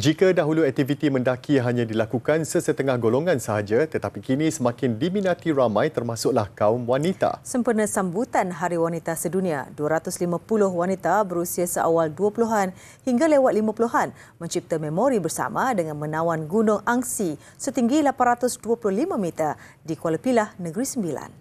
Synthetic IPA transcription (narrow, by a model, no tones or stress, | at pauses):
d͡ʒikadaɦuluɛk̚t̪ivit̪imə̃ndakʰiɦaɲãdilakukansəsət̪əŋahɡoloŋãnsəɦad͡ʒat̪ət̪apikinĩsəmãkɪndiminãt̪iɾamãjt̪ərmãsʊʔlahkaumwanit̪a̰səmpərnasambut̪anɦaɾiwanit̪asədunĩa̰duaɾat̪ʊslimãpulʊɦwanit̪abəɾusiasəʔa̰walduapuluɦan | hiŋɡalewat̪̚limãpuluɦan | mə̃ɲt͡ʃip̚t̪amemoɾibərsa̰madəŋanmənãwanɡunʊŋaŋsi | sət̪iŋɡilapanrat̪ʊsduəpulʊhlimãmit̪a | dikwaləpilahnəɡɾisəmbila̰n